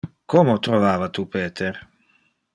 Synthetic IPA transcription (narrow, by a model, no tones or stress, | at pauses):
komot̪ɾovaːvat̪upeːt̪ʰeɾ